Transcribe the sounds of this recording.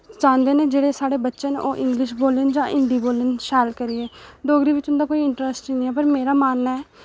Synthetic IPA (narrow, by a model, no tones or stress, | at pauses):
d͡ʒãːnd̪eːnẽːd͡ʒeːɽeːsaːɽeːbətːʃəno̰ːʔɪ̃ŋɡlɪʃboːlɪnd͡ʒãːʔɪɳɖiːboːlɪnʃɛːlkəɾieːd̪oːɡɾiːʋɪt͡ʃʊnd̪aːkoːiːɪ̃ɳʈɾəsʈinĩːɛːpəɾmeːɾaːmaːnːaɛː